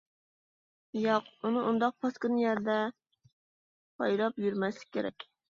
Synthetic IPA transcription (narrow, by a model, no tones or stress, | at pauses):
jɑqunɨʔund̪ɑq̚pʰɑskɨnjæɾd̪ɛ | pʰɑjlˠɑpjyɾmɛslɪ̥k̚ʲʰːeɾɛ̰kʲ